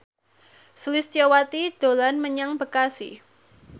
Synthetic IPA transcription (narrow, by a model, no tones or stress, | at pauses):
səlist͡ʃawat̪id̪̥o̤lanməɲaŋbəkasḭ